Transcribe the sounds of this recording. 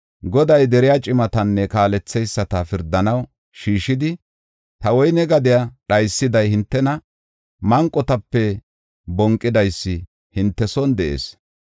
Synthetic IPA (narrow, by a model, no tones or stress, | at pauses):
ɡɔd̪ɐjd̪ɛɾɪjat͡ʃʼɪmɐt̪ɐnːɛkaːlɛt͡sːɛjsːɐt̪ɐfɪɾd̪ːɐnɐw | ʃiːʃɪd̪ɪ | t̪ɐwɔjnɛɡɐd̪ɪjaɗɐjsːɪd̪ɐjhɪnt̪ːɛnɐ | mɐŋkʼːɔt̪ɐpːɛ | bɔŋkʼːɪd̪ɐjsːɪ | hɪnt̪ːɛsɔnd̪ɛʔḛːs